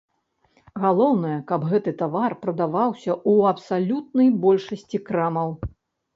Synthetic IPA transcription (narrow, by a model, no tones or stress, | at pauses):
ɣalˠɔwn̪ɐjɐkɐbɣɛt̪ɨt̪avarpɾɐd̪avawsʲɐʔuɐpsalʲut̪̚nɐjbɔlʲʂɐsʲt͡sʲikɾamɐw